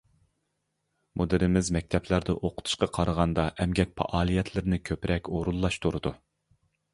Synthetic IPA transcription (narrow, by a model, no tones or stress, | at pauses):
mod̪ɪɾɪmɪzmɛk̚ʲt̪ʰɛplæɾd̪ɛʔoqʰʊ̥t̪ʰu̥ʃqɑqʰɑɾəʁɑnd̪ɑʔɛmɡʲɛk̚ʲpʰɑ̰ʔɑːlˠijɛt̪ʰlɪɾɪnɪkʲʰøpɾʔɛkʲoɾulˠːɑʃt̪ʰuɾɨd̪u